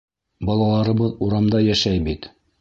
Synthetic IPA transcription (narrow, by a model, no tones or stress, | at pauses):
bɑlˠɑlˠɑɾɤ̆βɤðuɾɑmd̪ɑjæʃæjbit̪